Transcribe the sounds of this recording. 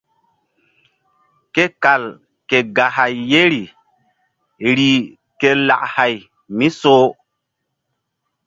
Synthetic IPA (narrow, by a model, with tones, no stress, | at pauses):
ke˦ka˨l | ke˨ɡa˨ha˨jːe˦ɾi˨ | ɾi˨ | ke˦la̰˨ʔha˨j | mi˦soː˦